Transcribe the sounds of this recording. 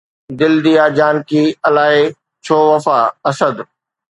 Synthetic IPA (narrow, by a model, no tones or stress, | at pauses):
d̪ɪld̪ijaːd͡ʑaːnkiːɐlaːe | t͡ɕʰoːʋɐfaɐsəd̪